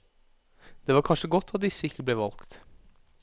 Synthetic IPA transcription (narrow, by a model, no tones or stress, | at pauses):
d̪̥eːʋɑːɾkʰɑnʂəɡɔt̪ʰːɑt̪̚d̪ɪsːəɪkːəbleːʋɑlkt̪